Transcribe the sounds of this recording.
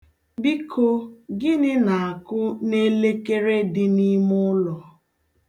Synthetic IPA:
bi˦kʰo˦ɡɪ˦nɪ˦na˨a˨kʊ˦ne˦le˦ke˦ɾe˦dɪ˦ni˦mʊ˦lɔ˨

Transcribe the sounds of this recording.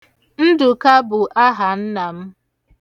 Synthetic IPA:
n̩˦dʊ˨ka˦bʊ˨ʔa˦ɦa˨n̩˦na˨m̩˦

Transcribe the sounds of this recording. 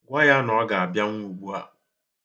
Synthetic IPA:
ɡʷa˦ja˦nɔ˨a˦ɡa˨a˨bja˦ŋ˦u˨ɡ͡bu˦a˦

